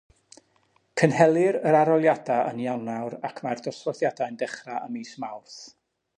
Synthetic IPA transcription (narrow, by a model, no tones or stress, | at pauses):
kʰənhɛlˠɨɾəɾaɾɔlˠjadaə̰njawnawɾakʰmardɔsɔθjadajndɛχraʔəmiːsmawrθ